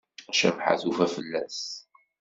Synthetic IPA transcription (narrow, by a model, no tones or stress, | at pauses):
æʃæ̰vħa̰θufæfəlːæs